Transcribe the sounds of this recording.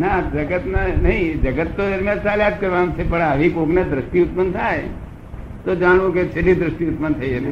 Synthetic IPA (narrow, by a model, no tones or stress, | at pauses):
nad͡ʒəɡət̪nanəɦĩd͡ʒəɡət̪ːod̪əɾmjãd͡ʒsaljad̪̚kəɾʋamt͡ʃʰepəɳaʋikoɡned̪ɾəsʈiʊt̪̚pənt̪ʰaj | t̪od͡ʒaɽ̃ʋũket͡ʃʰelid̪ɾəsʈiʊt̪̚pənt̪ʰəid͡ʒət̪e